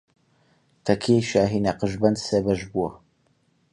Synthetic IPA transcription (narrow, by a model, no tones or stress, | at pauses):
t̪ʰɐkʰeʃaːɦinaqəʒbɐnd̪sebɐʒbuwɐ